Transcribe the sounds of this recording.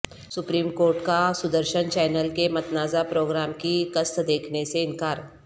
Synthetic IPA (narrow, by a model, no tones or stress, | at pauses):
sʊpɾiːmkoːɾʈkasʊd̪əɾʃənt͡ʃɛːnəlkemɐt̪naːzapɾoːɡɾaːmkikəst̪d̪eːkʰneseɪnkaːɾ